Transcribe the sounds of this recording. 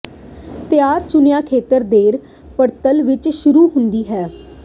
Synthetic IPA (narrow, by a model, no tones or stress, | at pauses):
t̪ɪjaːɾt͡ʃʊnjãːkʰeːt̪əɾd̪eːɾ | pəɾt̪əlʋɪt͡ʃʃʊɾuːɦʊnd̪iːɦɛː